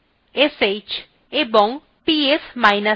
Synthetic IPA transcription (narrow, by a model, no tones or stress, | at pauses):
eset͡ɕ | eboŋ | piesmajna